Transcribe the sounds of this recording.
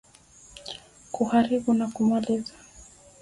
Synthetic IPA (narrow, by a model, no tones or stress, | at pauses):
kuhaɾiɓunakumalizḁ